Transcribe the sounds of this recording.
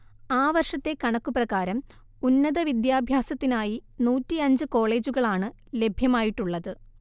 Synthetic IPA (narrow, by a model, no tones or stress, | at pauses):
aːʋɐrʂɐt̪ːe̞kɐɳɐkːuprɐɣaːɾɐm | unːɐðɐʋid̪jaːbʱjaːsɐt̪ːinaːjinuːtːiɐɲd͡ʑɨko̞ːɭe̞ːd͡ʑuɣɐɭaːɳɨ | le̞bʱjɐmaːjiʈːuɭːɐðɨ